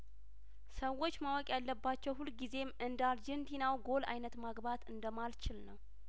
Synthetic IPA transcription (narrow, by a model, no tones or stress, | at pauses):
səwːo̞t͡ʃːmawɔkʼjalːəbːat͡ʃːɛwhulːɡize̞mʔɨnd̪ald͡ʒɛnt̪ʰinawɡo̞la̰jnət̪maɡbat̪ɨnd̪əmalt͡ʃɪlnəw